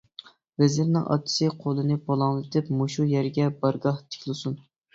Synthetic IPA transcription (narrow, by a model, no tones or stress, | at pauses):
vɛzɪɾnɪ̰ŋʔɑ̰t̪ʰːɪ̥sɨqʰolˠɨnɨbɑlˠɑŋlˠɨt̪ʰɨpmoʃujɛɾɡʲɛbɑɾɡɑht̪ʰɪ̥kʲlˠɨsun